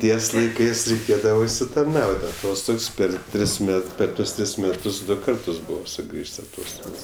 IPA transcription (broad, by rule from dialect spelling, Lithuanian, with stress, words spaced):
ˈtʲiɛs lˠɐɪˈkɜs rʲɛɪˈkʲeːdɐʋɐ ʊʃʲsʲɪtɐrˈnɐʊtʲ ɐˈtoːstoːks ˈpʲɛr ˈtʲrʲɪs ˈmʲɛt ˈpʲɛr ˈtuɔs ˈtʲrʲɪs ˈmʲæːtʊs ˈdʊ ˈkɐrtʊs ˈbʊʋoː sʊˈɡrʲiːʃʲsʲ ɐˈtoːstoːks